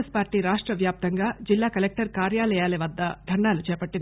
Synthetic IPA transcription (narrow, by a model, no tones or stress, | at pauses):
spaːɾʈiːɾaːʂʈɾɐʋjaːp̚t̪ɐŋɡaːd͡ʒilːaːkɐlek̚ʈɐɾkaːɾjaːlɐjaːliʋɐd̪ːɐd̪ʱɐɳɖaːlut͡ʃɛːpɐʈːind̪i